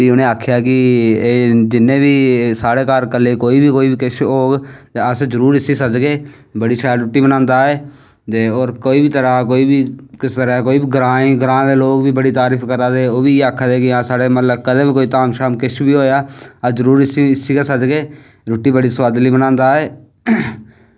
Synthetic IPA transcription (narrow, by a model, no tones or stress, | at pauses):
biːʊnẽːaːkʰjaːkɪː | d͡ʒɪnːẽːbiːsaːɽeːkaːɾkəlːeːkoːiːbiːkoːiːbiːkɪt͡ʃʰɦoːɡt̪eːəszəɾuːɾɪsiːsəd̪ɡeː | bəɽiːʃaːjlɾʊʈːiːbənãːnd̪aːeː | t̪eːoːɾkoːiːbiːt̪əɾaːkoːiːbiːkɪst̪əɾaːkoːiːbiːɡɾaːĩːɡɾãːd̪eːloːɡbiːbəɽiːt̪aːɾiːpʰkəɾaːd̪eːoːbiːeːaːkʰːad̪eːkɪãːsaːɽeːmət̪ləbkəd̪ẽːbiːkoːiːt̪aːmʃaːmkɪʃʰbiːɦoːjaːəzəɾuːɾɪsiɪsiːkasəd̪ɡeː | ɾʊʈːiːbəɽiːswaːd̪liːbənãːnd̪aːɛː